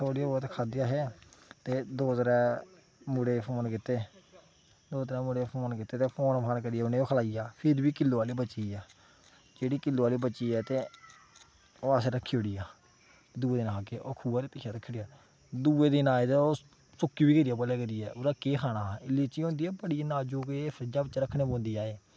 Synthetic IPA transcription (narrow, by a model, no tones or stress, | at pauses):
t̪ʰoːɽioːt̪ːkʰaːd̪ɪjaːɦɛːt̪eːd̪oːt̪ɾɛ̃ː | mʊɽeːpʰoːnkɪt̪eː | d̪oːt̪ɾɛ̃ːmʊɽeːpʰoːnkɪt̪eːt̪eːpʰoːnpʰaːnkəɾijɛːʊnẽːoːkʰəlaːijaːpʰɪɾbiːkɪlːoːaːliːbət͡ʃiːɛː | d͡ʒeːɽiːkɪlːoːaːliːbət͡ʃiːɛːt̪eː | oːasɾəkʰːiːoɽijaː | d̪uːeːd̪ɪnaːkeːʔoːkʰuːaːɾepɪʃʰaːɾəkʰːɽjaː | d̪uːeːd̪ɪnaːet̪eoː | sʊkːiːbiːkəɾiaːbəleːkəɾiːɛːʊɾaːkeːkʰaːnaːɪlːit͡ʃiːɦõːnd̪iːɛːbəɽiːnaːd͡ʒoːkepʰɾəd͡ʒaːbət͡ʃːɾəkʰːnẽːbõːnd̪iːaːeː